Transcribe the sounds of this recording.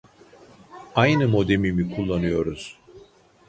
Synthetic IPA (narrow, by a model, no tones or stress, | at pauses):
ajnɯmo̞d̪e̞mimikʰulˠːanɯjo̞ɾuz̥